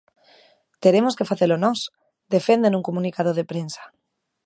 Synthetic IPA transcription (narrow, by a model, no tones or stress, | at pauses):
t̪eɾemoskefaθelonɔs | d̪efẽnd̪enũŋkomũnikað̞oð̞epɾensḁ